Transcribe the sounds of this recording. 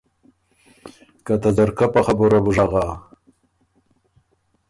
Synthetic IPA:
kat̪azaɾkapaχabuɾabuʐaɣa

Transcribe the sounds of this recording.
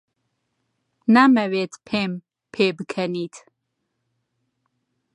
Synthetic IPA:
naːmɛwet̪ʰpʰeːm | pʰeːbkʰɛniːt̪ʰ

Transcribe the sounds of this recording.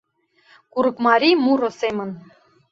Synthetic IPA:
kuɾɤ̆kmɑɾʲimuɾosemən

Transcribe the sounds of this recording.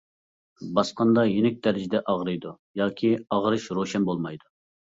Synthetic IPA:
bɑsqɑnd̪ɑjenɪk̚ʲd̪æɾɪd͡ʒid̪ɛʔɑʁɾɨjd̪u | jɑːkʲʰiɑʁɾɨʃɾoʃɛnbolˠmɑjd̪u

